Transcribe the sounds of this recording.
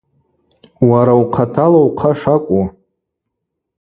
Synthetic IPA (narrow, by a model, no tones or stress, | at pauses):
waɾawqʰatʰalawqʰaʂakʷʼu